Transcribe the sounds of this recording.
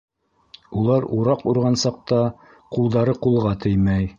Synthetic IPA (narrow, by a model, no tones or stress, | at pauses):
ulˠɑɾuɾɑquɾʁɑnsɑq̚t̪ɑ | qulˠd̪ɑɾɤqulˠʁɑt̪ɘjmæj